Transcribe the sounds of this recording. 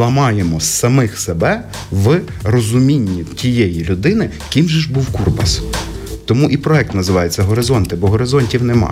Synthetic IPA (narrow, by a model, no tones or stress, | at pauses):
ɐmɑjemɔsɐmɪxsebɛ | ʋrɔzʊmʲinʲːitʲijɛjilʲʊd̪ɪnɪ | kʲimʒɛʒbuwkurpɐst̪ɔmuʔipɾɔɛk̚t̪nɐzɪʋɑjet͡sʲːɐɦɔɾɪzɔnt̪ɪbɔɦɔɾɪzɔnʲtʲiwnɛmɑ̰